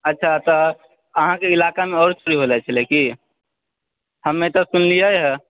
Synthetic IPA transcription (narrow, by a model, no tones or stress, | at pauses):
ətːʃʰat̪ɔ | əɦãkeilakameɔːɾt͡ʃuɾiɦolɛt͡ʃʰəleki | həmːet̪ɔsunlijəjɦɛ